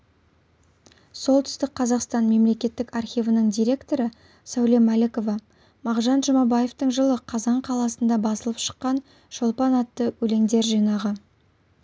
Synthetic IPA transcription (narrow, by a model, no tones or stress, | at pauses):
so̞lˠt̪ʰʏ̥st̪ɪk̚qʰɑzɑqst̪ɑnme̞mle̞kʲe̞t̪ːɪkɑrχʲijvənəɴd̪ijɾʲe̞kt̪o̞ɾə | sæwle̞mːæle̞ko̞vɑ | mɑʁʒɑnʒəmɑbɑje̞ft̪əɴʒəlˠəqʰɑzɑɴqʰɑlˠɑsənd̪ɑbɑsəlˠəpʃə̥qːɑn | ʒ̥olˠpɑnɑt̪ːəwɵle̞ŋd̪e̞ɾʒijnɑʁə